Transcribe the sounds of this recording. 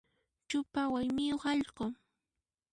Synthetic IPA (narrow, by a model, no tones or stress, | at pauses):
t͡ʃʊpawajmɪjoχɑʎɢo